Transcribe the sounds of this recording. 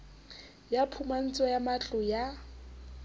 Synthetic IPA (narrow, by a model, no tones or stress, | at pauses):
japʰuman̩t͡sʼɔjamat͡ɬʼʊja